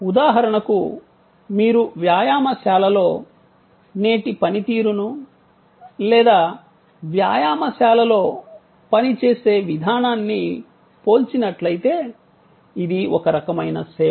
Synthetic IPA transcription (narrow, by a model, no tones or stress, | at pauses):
ud̪aːɦɐɾɐɳɐku | miːɾuʋjaːjaːmɐʃaːlɐlo̞ː | ne̞ːʈipɐnit̪iːɾunu | lɛːd̪aː | ʋjaːjaːmɐʃaːlɐlo̞ː | pɐnit͡ʃeːse̞ːʋid̪ʱaːnaːnːi | po̞ːlt͡ʃinɐʈlɐjit̪e̞ː | id̪iʔɔkɐɾɐkɐmɐjnɐsɛː